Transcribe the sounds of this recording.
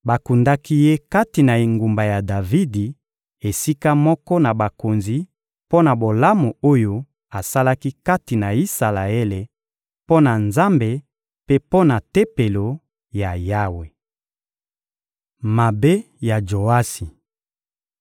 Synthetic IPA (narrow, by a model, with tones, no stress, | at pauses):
ba˨ku˨nda˦ki˦je˦ka˦ti˨na˨e˨ŋɡu˨mba˨ja˨da˨vi˦di˨ | e˨si˦ka˦mɔ˦kɔ˦na˨ba˨ko˨nzi˨ | po˦na˨bo˨la˦mo˨o˦jo˦ | a˨sa˦la˦ki˦ka˦ti˨na˨i˦sa˨la˨e˦le˨ | po˦na˨nza˦mbe˨ | pe˦po˦na˨te˦pe˨lo˨ | ja˨ja˦we˨ | ma˨be˦ | ja˨d͡ʒo˨a˦si˨